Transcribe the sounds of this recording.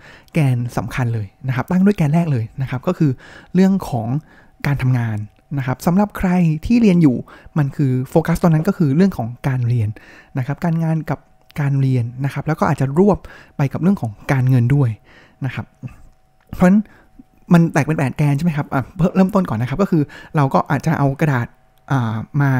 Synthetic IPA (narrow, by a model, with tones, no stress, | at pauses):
kɛː˧nsa̰˩˦mkʰa˧nlɤː˧jna˦˥kʰa˦˥p̚t̪a˥˩ŋdu˥˩əjkɛː˧nɾɛː˥˩k̚lɤː˧jna˦˥kʰa˦˥p̚kɔː˥˩kʰɯː˧ɾɯ˥˩əŋkʰɔː˩˦ŋ | kaː˧nt̪ʰa˧mŋaː˧nː | a˦˥kʰa˦˥p̚sa˩˦mɾa˨˩p̚kʰɾa˧jt̪ʰiː˥˩ɾi˧ənjuː˨˩ma˧nkʰɯː˧foː˧ka˦˥st̪oː˧na˥nkɔː˥˩kʰɯː˧ɾɯ˥˩əŋkʰɔː˩˦ŋkaː˧nɾi˧ənna˦˥kʰa˦˥p̚kaː˧nŋaː˧nka˨˩p̚ | kaː˧nɾi˧ənːa˦˥kʰa˦˥p̚lɛ˦˥wkɔ˥ʔaː˨˩t͡ɕa˨˩ɾu˥˩əp̚ːa˧jka˨˩p̚ɾɯ˥˩əŋkʰɔː˩˦ŋkaː˧nŋɤ˧ndu˥˩əj | na˦˥kʰa˦˥p̚ | pʰɔ˦˥na˦˥n | ma˧nt̪ɛː˨˩k̚pe˧npɛː˨˩t̪̚kɛː˧nt͡ɕʰm˦˥kʰa˦˥p̚ʔaː˨˩ɾːɾɤː˥˩mt̪o˥˩nkɔː˨˩nː˦kʰa˦˥p̚kɔː˥˩kʰɯː˧ɾa˧wkɔː˥˩ʔa̰ː˨˩t̪̚t͡ɕa˨˩ʔa˧wkɾa˧daː˨˩t̪̚ | ʔaː˨˩maː˧